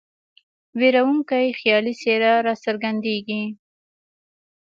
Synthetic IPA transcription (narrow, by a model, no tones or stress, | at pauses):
weɾawuŋkajxjɑliseɾaɾɑsəɾɡand̪eɡi